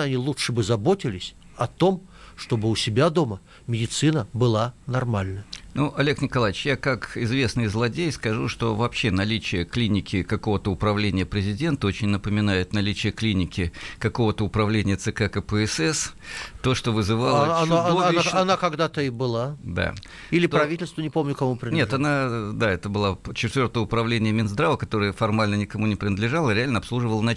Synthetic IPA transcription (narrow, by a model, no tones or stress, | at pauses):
ɐnʲilˠutʂɨbɨzɐbotʲɪlʲɪsʲ | ɐt̪o̞m | ʂt̪o̞bɨʊsʲɪbʲad̪o̞mə | mʲɪdʲɪt̪sɨnəbɨlˠanɐrmalʲnənuʔɐlʲe̞knʲɪkɐlˠajɪt͡ɕjakakɪzvʲe̞snɨjzlˠɐdʲejskɐʐuʂt̪o̞vɐpɕːe̞nɐlʲit͡ɕɪjəklʲinʲɪkʲɪkɐko̞vət̪əʊpɾɐvlʲenʲɪjəpɾʲɪzʲɪdʲe̞nt̪əot͡ɕɪnʲnəpəmʲɪnajɪt̪nɐlʲit͡ɕɪjəklʲinʲɪkʲɪkɐko̞vət̪əʊpɾɐvlʲenʲɪjət̪sɨkakəpəɛsɛst̪o̞ʂt̪o̞vɨzɨvalˠəaoaɐnakɐɡd̪at̪əɪbɨlˠad̪a̰ | ilʲɪp̪ɾɐvʲitʲɪlʲst̪vənʲɪpomnʲʊkɐmupɾʲɪnnʲet̪ɐnad̪aɛt̪əbɨlˠat͡ɕɪt̪vʲo̞rt̪əjəʊpɾɐvlʲenʲɪjəmʲɪnzd̪ɾavəkɐt̪o̞ɾɨjəfɐrmalʲnənʲɪkɐmunʲɪpɾʲɪnəd̪lʲɪʐalˠəɾʲɪalʲnəɐpslˠuʐɨvəlˠənɐ